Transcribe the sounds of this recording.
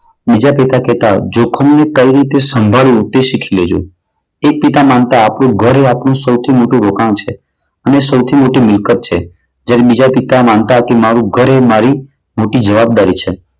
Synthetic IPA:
bid͡ʒapɛt̪akɛt̪ad͡ʒokʰəmnekəiɾit̪esəmbʱalũt̪eʃikʰiled͡ʒo̰ | ek̚pit̪amant̪aːpɳ̃ũɡʱəɾeapɳ̃ũsəwt̪ʰimoʈũɾokañt͡ʃʰe | ənesəwt̪ʰimoʈimɪlkət̪̚t͡ʃʰe | d͡ʒjaɾebid͡ʒapit̪amant̪akemaɾũɡʱəɾemaɾi | moʈid͡ʒəʋab̚d̪aɾit͡ʃʰe

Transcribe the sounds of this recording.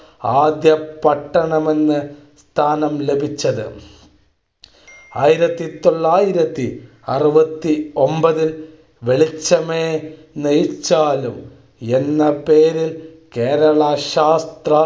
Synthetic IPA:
aːd̪jɐpɐʈːɐɳɐme̞nːɨst̪ʰaːnɐmle̞bʱit͡ɕːɐðɨ̰ | aːjiɾɐt̪ːit̪o̞ɭːaːjiɾɐt̪ːi | ɐrɨʋɐt̪ːio̞mbɐðil | ʋeɭit͡ɕːɐmeː | nejt͡ɕːaːlum | enːɐpeːɾil | keːɾɐɭɐɕaːst̪rɐ

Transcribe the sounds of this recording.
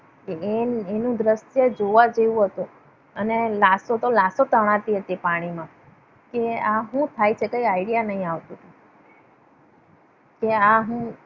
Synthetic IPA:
keeenũd̪ɾəsjəd͡ʒoʋad͡ʒeũɦət̪u | ənelasot̪olasot̪əɽ̃ãt̪iɦət̪iepaɽ̃imã | keaɦũt̪ʰajt͡ʃʰekəiaiɽijanəɦĩaʋt̪ũ | keaɦũ

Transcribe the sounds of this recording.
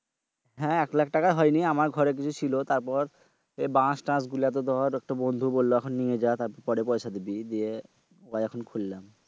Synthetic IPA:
ɦɛ̃ɛklak̚ʈakaɦɔjniamaɾɡʱɔɾek̬it͡ɕʰut͡ɕʰilot̪aɾpɔɾ | ebãsʈãs̬ɡuliat̪̬od̪ʱɔɾɛk̚ʈabond̪ʱubolːoɛkʰonːied͡ʑat̪aɾpɔɾpɔɾepɔjʃad̪ibid̪ie | oajɛkʰonkʰulːam

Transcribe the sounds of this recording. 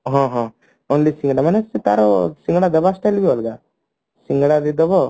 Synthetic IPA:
ɦɔ̃ɦã | onlisĩŋɡɽamanesit̪a̰ɾosĩŋɡɽad̪ɐbasʈelbiolɡa | siŋɡɽad̪id̪ɔbɔ

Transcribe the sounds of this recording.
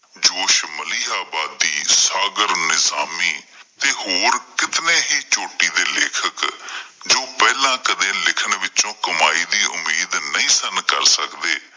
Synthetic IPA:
d͡ʒoːʃməliːaːbaːd̪ːiːsaːɡəɾnɪzaːmiːt̪eːhoːɾkɪt̪nẽːɦiːt͡ʃoːʈiːd̪eːleːkʰəkd͡ʒoːpɛːlãːkəd̪ẽːlɪkʰəɳʋɪt͡ʃõːkəmaːiːd̪iːʔʊ̰mːiːd̪nəĩːsənkəɾsəkd̪eː

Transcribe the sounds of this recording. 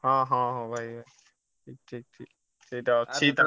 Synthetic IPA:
ɦãːɦãːɦãbʱaibʱai | tʰiːk̚ʈʰiːk̚ʈ̪ʰḭː | tʰiːt̪at͡ʃʰiːt̪

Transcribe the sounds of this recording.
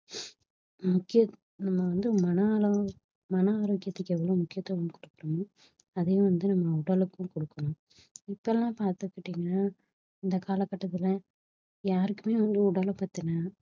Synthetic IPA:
mʊkːɪjɐ | nɐmːɐʋɐnd̪ɯmɐnɐlɐ | mɐnɐaːɾokːɪjɐt̪ːɛkːɛʋːɐɭoːmʊkːɪjɐt̪ːɐʋɐmkɔɽɯkːɾɐmʊ̃ | ɐðɛjʊ̃ʋɐnd̪ɯnɐmːɐʊɽɐlɯkːʊ̃kɔɽɯkːɐnʊ̃ | ɪpːoɛlːãːpaːɾt̪ɯkːɪʈːiːŋɡɐnːaː | ɪnd̪ɐkaːlɐkːɐʈːɐt̪ːɪlɐ | jaːɾɯkːɯmeːʋɐnd̪ɯʊɽɐlpaːɾt̪ɪnaː

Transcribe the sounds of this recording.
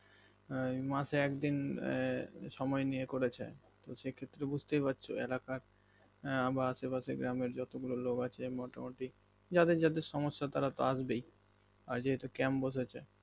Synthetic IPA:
maʃeɛkd̪in | ʃɔmɔenijekoɾet͡ɕʰḛ | t̪oʃekʰet̪ːɾebud͡ʑʱt̪epat̪ːɕʰoelakaɾ | abaaʃepaʃeɡɾameɾd͡ʑɔt̪oɡuloloɡat͡ɕʰemɔʈamoʈi | d͡ʑad̪eɾd͡ʑad̪eɾʃɔmoʃːat̪aɾat̪o̰aʃbej | aɾd͡ʑeɦet̪okɛmboʃet͡ɕʰe

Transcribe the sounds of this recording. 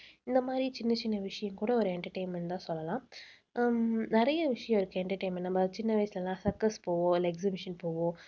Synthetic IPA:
ɪnd̪ɐmaːd̪ɾit͡ʃɪnːɐt͡ʃɪnːɐʋɪʂɐjɐ̃mkuːɽɐɔɾɯɛɳʈɐʈeɪnmɛ̃ɳt̪ãːsɔlːɐlãː | nɪɾɐjɐʋɪʂɐjɐ̃mɪɾɯkːɯɛɳʈɐɾʈeɪnmɛɳːɐbɐt͡ʃɪnːɐʋɐɪsɐlɐlãːsɐɾksɐspoːʋõːɐlɐɛksɐbɪʂɐnpoːʋõː

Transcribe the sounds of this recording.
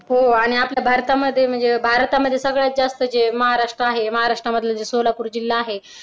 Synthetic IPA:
ɦoaɽ̃iapljabʱaɾt̪aməd̪ʱːjem̤əɳd͡zebʱaɾt̪aməd̪ʱjesəɡɭjat̪̚d͡zast̪əd͡zeməɦaɾaʂʈɾəaɦeməɦaɾaʂʈɾaməd̪ʱːlad͡zesolapuːɾd͡ʑilːaːɦe

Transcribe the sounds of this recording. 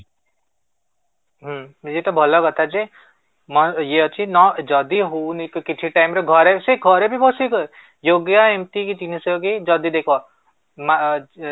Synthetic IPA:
ɦd͡ʒet̪ɔbʱɔlɔɡɔt̪ʰad͡ʒe | mɔjeɔt͡ʃʰinɔd͡ʒɔd̪iɦownikkit͡ʃʰiʈajmɾɔɡʱɔɾeseɡʱɔɾebʱibʱɔsikɔ | joɡjaemt̪ikit̪inisɔɡed͡ʒɔd̪id̪ekʰɔ | ma

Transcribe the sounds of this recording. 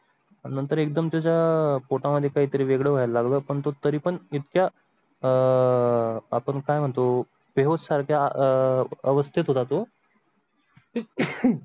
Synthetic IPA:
nənt̪əɾek̚d̪əmt͡ɕat͡ɕjapoʈaməd̪ʱːjekaɦiːt̪əɾiːʋeɡɭəʋajallaɡləːpəɳt̪ot̪əɾiːpəɳit̪kja | apəɳkajm̤əɳt̪o | beɦod̪saɾkʰja | əʋəst̪ʰit̪ɦot̪at̪o

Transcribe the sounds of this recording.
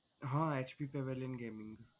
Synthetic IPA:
ɦãːeːt͡ʃpiːpeʋelɪnɡeːmɪ̃ŋɡ

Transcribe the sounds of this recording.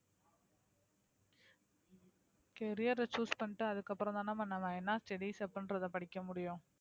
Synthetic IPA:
kɛɾɪjɐɾɐt͡ʃuːspɐɳʈːɯɐðɯkːɐpːɯɾɔ̃nt̪ãːnãːpɐɳːɐmãːɛnːaːsʈɛɽiːsɐpːɾɐnɾɐðɐpɐɽɪkːɐmʊɽɪjʊ̃

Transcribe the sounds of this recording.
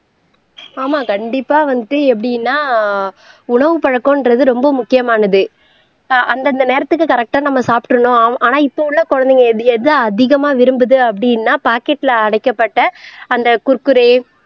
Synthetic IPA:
aːmaːkɐɳɖɪpːaːʋɐnd̪ɯɛpːɐɽɪjnːaː | ʊɳɐʋɯpɐɻɐkːõːɪnrɾɐðɯɾɔmbɐmʊkːɪjɐmaːnɐðɯ | ʔɐnd̪ɐnd̪ɐneːɾɐt̪ːɯkːɯkɐɾɛk̚ʈaːnɐmːɐsaːpʈːɯɳõːaːnaːɪpːoʊɭːɐkɔɻɐnd̪ɪŋɡɐðɛðɯɐðɪɣɐmaːʋɪɾɯmbɯðɯɐpːɐɽɪjɪnːaːpaːkɛʈːɪlɐɐɽɐɪkːɐpːɐʈːɐɐnd̪ɐkʊɾkːɯɾeː

